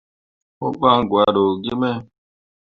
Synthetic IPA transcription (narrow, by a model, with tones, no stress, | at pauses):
o˦ɓa˦ŋ˨ɡwa˨ɗo˨ɡi˦mɛ˦